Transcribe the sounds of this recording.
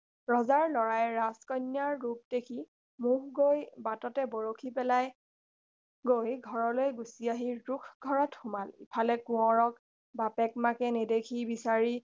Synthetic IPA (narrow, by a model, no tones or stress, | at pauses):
ɹɔzaɹlɔɹajɹaskɔjnjaɹːup̚dekʰi | muɦɡojbatɔtɛbɔɹokʰipɛlaj | ɡojɡʱɔɹɔlojɡusiaɦiɹukʰɡʱɔɹɔtxʊmalḭpʰalɛkũɔɹɔk | bapɛk̚makɛnedekʰibisaɹi